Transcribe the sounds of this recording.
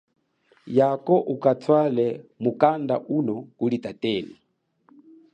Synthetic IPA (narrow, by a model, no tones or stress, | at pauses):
jakɔʔukatʰwalɛmukandaʔunɔkulitatɛːli